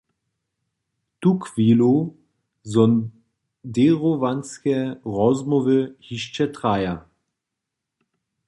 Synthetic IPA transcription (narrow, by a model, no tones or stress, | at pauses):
tukviːlo | zɔn | deʁovanskɛʁɔzmɔvəhiʃt͡ʃɛtʁaja